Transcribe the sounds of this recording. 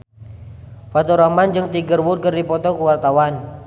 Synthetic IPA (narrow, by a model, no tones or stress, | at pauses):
pat̪ɔɾamand͡ʒɨŋt̪iɡərwʊt̪̚kərdipɔt̪ɔkuwart̪awan